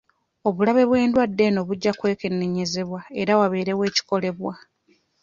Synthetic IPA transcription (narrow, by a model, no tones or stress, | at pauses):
o̞βulaβe̞βwe̞ːndwadːe̞no̞ːβuɟːakwe̞ːkenːeɲe̞ze̞βwaeɾawaβe̞ːɾe̞we̞ːci̥ko̞le̞βwa